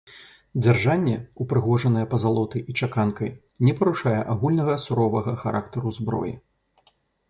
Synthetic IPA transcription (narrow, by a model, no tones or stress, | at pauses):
d͡zʲarʐanʲːɛupɾɨɣɔʐɐnɐjɛpɐzalˠɔt̪ɐjʔit͡ʂakankɐjnʲɛpɐɾuʂajɛʔaɣulʲnɐɣɐsuɾɔvɐɣɐxaɾʔa̰kt̪ɐɾuzbɾɔ̰jḭ